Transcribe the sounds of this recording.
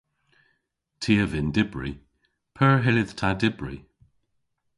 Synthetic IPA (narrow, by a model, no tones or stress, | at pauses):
tʰiːəvɪndɪbɹḭ | pʰəɹɦɪlɪð̥tʰadɪbɹḭ